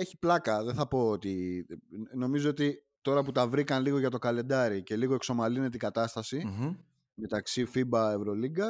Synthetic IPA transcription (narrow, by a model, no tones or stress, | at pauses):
eçi̥plɐkɐðeθɐpo̞ot̪i | no̞mizoot̪i | t̪o̞ɾɐput̪ɐvɾikɐnliɣo̞ʝɐt̪o̞kɐle̞nd̪ɐɾice̞liɣoe̞kso̞mɐline̞t̪ikɐt̪ɐst̪ɐsi | me̞t̪ɐksifibɐe̞vɾo̞liɡɐ